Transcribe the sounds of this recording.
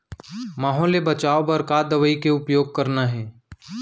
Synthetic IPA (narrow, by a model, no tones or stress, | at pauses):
maːɦɔːlebɐt͡ʃaːobɐɾkaːd̪ɐʋəikeʊpjoːɡ̚kɐɾnaɦɛː